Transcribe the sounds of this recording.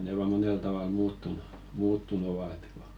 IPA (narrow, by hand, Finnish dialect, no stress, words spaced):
ne ʋɑː monel tɑʋɑl muːtːunu muːtːun oʋɑ et ko